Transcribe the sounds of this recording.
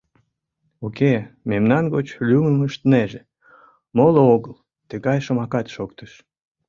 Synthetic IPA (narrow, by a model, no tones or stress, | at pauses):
ukememnɑnɡot͡ɕlʲyməməʃt̪əneʒe | molooɣəl | t̪əɣɑjʃə̆mɑkɑt̪ʃokt̪əʃ